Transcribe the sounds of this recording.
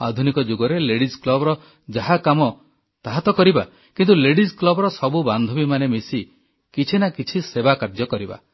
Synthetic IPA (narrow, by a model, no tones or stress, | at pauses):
ad̪ʱunikɔd͡ʒuɡɔɾeleɽisklɔbɔɾɔ | d͡ʒaɦakamɔ | t̪aɦat̪ɔkɔɾiba | kint̪uleɽisklɔbɔɾɔsɔbuband̪ʱɔbimanemisi | kit͡ʃʰinakit͡ʃʰisebakaɾd͡ʒɔkɔɾiba̰